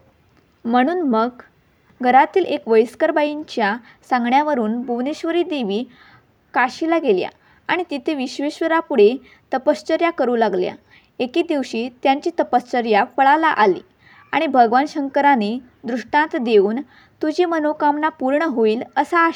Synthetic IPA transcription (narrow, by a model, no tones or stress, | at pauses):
m̤əɽ̃uːnməɡ | ɡʱəɾat̪iːlʔekʋəjskəɾbaiɲt͡ɕja | sãŋɡɳjaʋəɾuːnbʱuʋneɕʋəɾiːd̪eʋiː | kaɕilaɡelja̰ | aɽ̃it̪it̪ʰeʋiɕʋeɕʋəɾapuɽ̤e | t̪əpəst͡ɕəɾjakəɾuːlaɡlja̰ | ekiːd̪iʋɕiːt̪jaɲt͡ɕiːt̪əpəst͡ɕəɾjapəɭalaʔalḭː | aɽ̃ibʱəɡʋanɕəŋkəɾane | d̪ɾuʂʈãt̪d̪euːn | t̪ud͡ʑimənokamnapuɾɳəɦoiːləsaː